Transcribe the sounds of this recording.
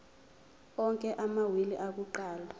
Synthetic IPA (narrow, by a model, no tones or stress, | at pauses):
ɔŋkʼɛʔamawiliʔak̬uǃaːla